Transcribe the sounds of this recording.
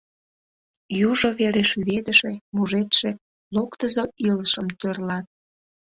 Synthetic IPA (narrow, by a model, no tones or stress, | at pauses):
juʒoβeɾeʃyβed̪əʃemuʒet̪ʃe | lokt̪əzəiləʃəmt̪ørlɑt̪̚